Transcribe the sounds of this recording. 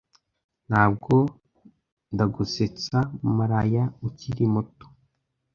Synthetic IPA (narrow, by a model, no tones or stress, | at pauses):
n̥haːb̚ɡo̞ | ndaɡuset͡samumuɾajauciɾimuto̥